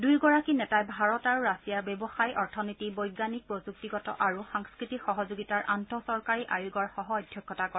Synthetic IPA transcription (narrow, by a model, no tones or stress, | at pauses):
dujɡɔɹakinɛtajbʱaɹɔtaɹuɹasijabebɔxajɔɹtʰɔnitibɔjɡːanik̚pɹɔzuk̚tiɡɔtɔ̰ʔaɹuxaŋskɹitikxɔɦɔzuɡitaɹʔantɔsɔɹkaɹiʔajuɡɔɹxɔɦɔɔjdʱjɔkʰːɔtakɔ